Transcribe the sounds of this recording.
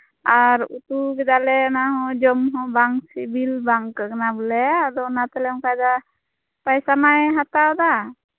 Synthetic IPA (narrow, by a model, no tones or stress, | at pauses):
aɾut̪uɡɛd̪alɛnaɦɔ̃d͡ʒɔmɦɔ̃baŋsibilbaŋkəknabəlɛad̪ɔnat̪ɛlɛɔ̃kajd̪a | pajsamajɦat̪ad̪a